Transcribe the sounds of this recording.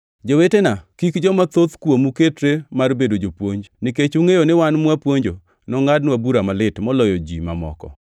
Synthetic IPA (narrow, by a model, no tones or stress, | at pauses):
d͡ʒowetenakikd͡ʒɔmat̪ot̪kwomuketɾemarbedod͡ʒopwoɲd͡ʒniket͡ʃuŋejonewanmwapwoɲd͡ʒo | nɔŋadnwabuɾamalɪtmɔlɔjɔd͡ʒḭma̰mɔ̰kɔ̰